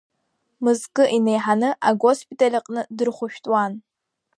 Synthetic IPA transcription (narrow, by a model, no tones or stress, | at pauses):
mɨzkʼɨʔinejħanɨʔaɡʷospʰʼitʰʼalʲɨqʼnɨdɨrχʷʊʃᶣtʼwaːn